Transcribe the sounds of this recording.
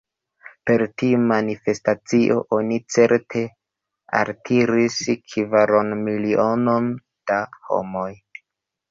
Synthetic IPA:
pe̞ɾtiumanife̞stat͡siʔo̞̰ʔo̞nit͡se̞ɾtʰe̞ | a̰ɾtʰiɾiskʰivaɾonmiliʔono̞n | d̥aho̞̰mo̞j

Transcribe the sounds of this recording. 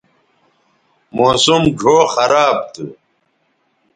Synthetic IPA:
moːsumɡʱoːxɐɾaːb̚t̪ʰṵ

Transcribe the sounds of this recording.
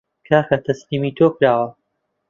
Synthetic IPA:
kʰaːxɐt̪ʰɐsniːmiːt̪ʰoːkɾaːwɐ

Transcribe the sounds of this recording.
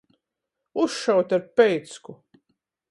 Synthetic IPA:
usʃawt̪ʲaɾpɛjt̪sku

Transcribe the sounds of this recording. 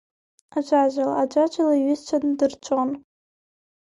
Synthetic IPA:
ad͡ʒʷʼaʒʷalaːd͡ʒʷad͡ʒalaiɥɪzt͡ʃʷʰandɨrt͡ʃʷʼon

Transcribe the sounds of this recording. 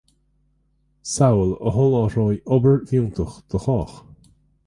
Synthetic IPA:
sawələ̰ɦɔlɔɹɔːjɔbəɹvjuːnt̪ʰəxd̪̥əxɔːx

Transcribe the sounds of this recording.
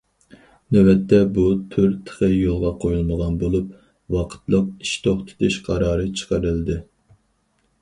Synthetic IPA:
nøwɛt̪ʰːɛbut̪ʰyɾt̪ʰə̥χəjolˠʁɑqʰojulˠməʁɑnbolˠup̚ | wɑqʰə̥t̪lˠəq̚i̥ʃt̪ʰoχt̪ʰe̥t̪ʰɪʃqʰɑɾɑːɾɨt͡ʃʰə̥qəɾɨlˠɨd̪ɨ

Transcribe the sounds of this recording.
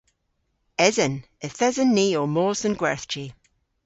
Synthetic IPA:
ɛzən | əθɛzənːiːoːmoːsənɡwɛɹθt͡ʃi

